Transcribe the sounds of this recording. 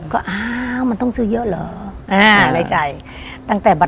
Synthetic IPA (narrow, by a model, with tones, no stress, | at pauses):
kɔː˧˩ʔaː˧wma˨nt̪ɔ˧˩ŋsɨː˧˩jəː˧˥ʔləː˨˩˦ʔaː˧˩na˧˩t͡ɕa˧˩j | t̪aː˧ŋt̪ɛː˨˩ba˨˩